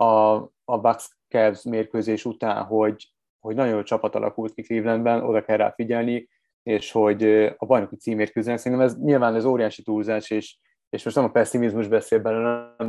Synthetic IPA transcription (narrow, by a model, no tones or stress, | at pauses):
ɒː | baks | kɛbzmeːrkøːzeːʃut̪a̰ːnɦo̞ɟ | ho̞ɟnɒɟot͡ʃɒpɒt̪ɒ̰lʔɒ̰kult̪̚kikliːvlɛnd̪bɛno̞̰d̪ɒkɛrːa̰ːfiɟɛlni | eːʃho̞ɟɒbɒjno̞kit̪siːmːeːrkøziːnɛksɛɾint̪ɛmɛzɲilvaːnɛzoːɾijaːʃit̪uːrzaːʃeːʃ | eːʃmo̞ʃt̪nɛmɒpɛsːimizmuʒbɛseːlbɛlølɛm